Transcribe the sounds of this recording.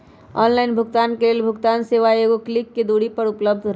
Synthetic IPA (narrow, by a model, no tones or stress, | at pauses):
ɔ̰ːnlaːɪnbʱʊɡt̪aːnkeleːlbʱʊɡt̪aːnseʋaeːɡoklɪkːed̪uːɽipəɾʊpləb̚d̪ʱɾ